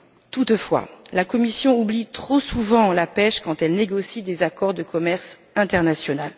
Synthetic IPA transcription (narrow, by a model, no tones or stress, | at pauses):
t̪ut̪fwa̰lakɔmisjɔ̃ublit̪χosuvɑ̃lapɛʃkɑ̃t̪ɛlneɡɔsid̪ezakɔʁd̪əkʰɔmɛʁs | ɛ̃t̪ɛʁnasjɔnal